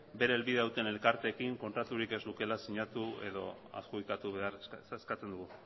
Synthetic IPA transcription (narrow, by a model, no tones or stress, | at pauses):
be̞ɾeːlβiðeauwt̪e̞ne̞lkaɾt̪e̞ːkiŋko̞nt̪ɾat̪uɾike̞zluke̞lasiɲat̪ue̞̰ðo̞̰a̰skuikat̪uβe̞aɾeskat͡se̞nd̪uɣu